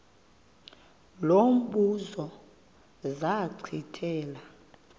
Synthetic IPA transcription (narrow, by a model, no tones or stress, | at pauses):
lom̩ɓuzɔ | zaǀʰitʰɛːla